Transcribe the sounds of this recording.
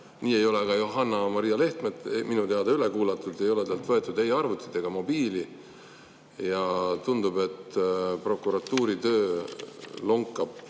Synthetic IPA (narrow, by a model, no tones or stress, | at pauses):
niːe̞jo̞leɡ̥ɑjoɦɑnːɑmɑɾijɑle̞ht̪med̪minut̪eɑd̪̥ɑylekuːlɑt̪ːˑud̪e̞jo̞let̪eːlt̪vɤ̞e̞t̪ːˑud̪̥e̞jɑrvut̪ːˑi̥t̪ːe̞ɡ̥ɑmo̞biːli | jɑt̪und̪ube̞t̪pro̞kːuɾɑt̪ːuːɾit̪ø̞ː | loŋkːˑɑb̥